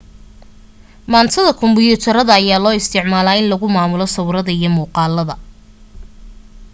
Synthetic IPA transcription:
maːnt̪ʰɐðɐkʰʊmbɪjut̪ʰɐɾɐðɐːjaːlɔːɪst̪ʰɪʕmaːlaːɪnlɐɣʊmaːmʊlɔsɐwɾɐðɐijɞmuːqɑːlːɐðɐ

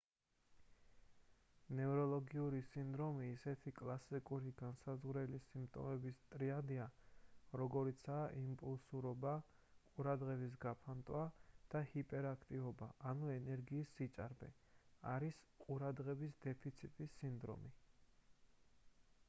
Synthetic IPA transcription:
nɛvɾɔlˠɔɡiuɾisind̪ɾɔmiːsɛt̪ʰikʼlˠasikʼuɾiɡansazʁɾɛlisimpt̪ʼɔ̰mɛbist̪ʼɾiad̪iaɾɔɡɔɾit̪sʰaːʔimpʼulˠsuɾɔba | qʼuɾad̪ʁɛbis̬ɡapʰant̪ʼwad̪̥ahipʼɛɾakʰt̪ʼivɔbaʔanuɛnɛɾɡiːsːit̪t͡ʃ̪ʼa̰ɾbɛ̰ | aɾis | qʼuɾad̪ʁɛbisd̪ɛpʰit̪sʰit̪ʼisːind̪ɾɔ̰mi

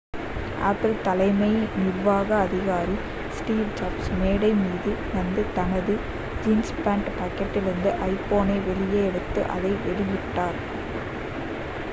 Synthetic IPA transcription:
ʔa̰ːpɪlt̪ɐlɐɪmɐɪnɪrʋaːɣɐːðɪɣaːɾi | sʈiːʋd͡ʒaːbsmeːɽɐɪmiːðɯnɐnd̪ɯt̪ɐnɐðɯ | d͡ʒiːnspaːɳʈpaːkːɐʈːɪlɪɾɯnd̪ɯʔɐɪpːoːneːʋɛɭɪjeɛɽɯt̪ːɯ̰ʔɐ̰ðɐɪʋɛɭɪjɪʈːaːɾ

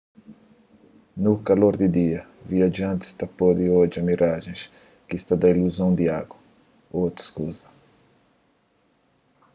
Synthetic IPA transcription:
nukaloɾd̪id̪iɐ | viaʒɐ̃nt̪ɪ̥st̪apod̪ioʒɐmiɾʔaʒẽj̃s | kist̪ad̪ɐiluzõw̃d̪iaɡwɐ | owt̪ɾɐ̥skuzɐ

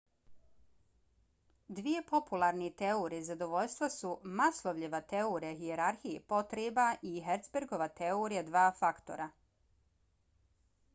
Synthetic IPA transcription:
d̪ʋije̞po̞pulˠaɾnit̪eoɾizad̪oʋo̞ʎʲst̪ʋasumaslˠoʋʎʲiʋat̪eoɾaɦijeɾaɾxijepo̞t̪ɾeːbaʔiɦeɾt̪sbeɾɡoʋat̪eoɾijad̪ʋaːfakt̪o̞̰ɾa

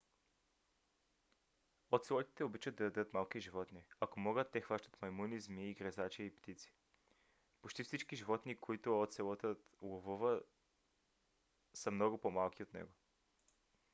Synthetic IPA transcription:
ot̪sɛlˠɔt̪i̥t̪ɛobit͡ʃəd̪ɐɐd̪ət̪malˠkiʒivɔt̪niakomɔɡət̪ːɛxvaʃt̪ə̥t̪mɐimunizmiːɡɾɛzat͡ʃiipt̪it̪si̥ | pot͡ʃt̪ifsit͡ʃkiʒivɔt̪nikoit̪oot̪sɛlˠɔt̪əlˠovuvə | səmnɔɡopomalˠkiot̪nɛ̰ɡo

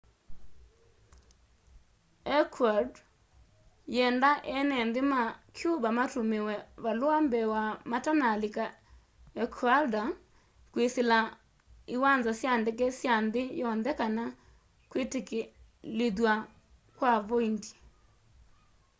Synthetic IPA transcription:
ɛkʰwad | jɛndaʔɛnɛnðɪmakʰjubamatomewɛβalwambɛwamatanalika | ɛkʰwalda | kwesela | iwanzasjandek̬ɛsjanðɪjɔnðɛkana | kwiteke | leðwa | kwaβɔindi̥

